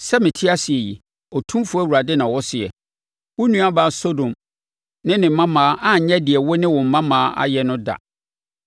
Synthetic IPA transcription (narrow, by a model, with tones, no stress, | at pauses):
sɛ˦mɪ̃˨tʰɪ˦a˦sɪ˨ɛ˨jḭ˨ | ɔ˨tʰũ˦mfʊ˦æ˦˨wu˨ɾa˨dɛ˦nã˨wɔ˦sɪ˨ɛ̰˨ | wʊ˦nũ˦a˦baː˨˦so˦dõ˨m | nɪ̃˦nɪ̃˨m̩˨mã˦mãː˨˦ʔã˦˨ɲ̩˨ɲɛ̃˦dɪ˨ɛ˨wɔ˦nɪ̃˦wɔ̃˨m̩˨˦mã˦mãː˨˦ʔa̰˦jɛ˨nʊ̃˦da̰˨